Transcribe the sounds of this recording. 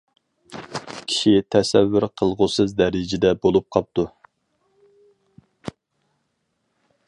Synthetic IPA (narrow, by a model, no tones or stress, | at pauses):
kʲʰi̥ʃit̪ʰɛsɛvːyɾqʰəlˠʁʊsɨzd̪ɛɾɪd͡ʒɪd̪ɛbolˠup̚qʰɑp̚t̪u